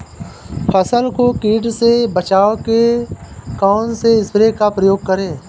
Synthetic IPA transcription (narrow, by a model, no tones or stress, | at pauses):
pʰəsəlkokiːɖsebət͡ʃaːoke | kaːnseɪsbɾekapɾəjoːɡ̚kəɾẽː